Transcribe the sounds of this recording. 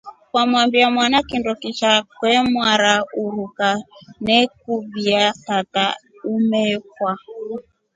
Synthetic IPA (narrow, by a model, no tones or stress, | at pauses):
kwamuambiamwanakindɔkit͡ʃakwɛmwaɾauɾukanɛkubiatataumɛkwa